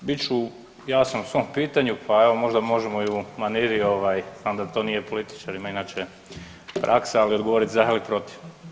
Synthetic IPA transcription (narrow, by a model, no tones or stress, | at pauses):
bit͡ʃu | jaːsamusʋo̞mpiːt̪aɲupʰae̞ʋo̞mo̞ʒd̪amo̞ʒemo̞jumaniːɾio̞ʋajznaːmd̪at̪o̞nije̞po̞lit̪i̥t͡ʃaɾimainaːt͡ʃe | pɾʔa̰ksaaliod̪ɡoʋo̞ɾit̪zaɦalipɾo̞t̪i̥ʋ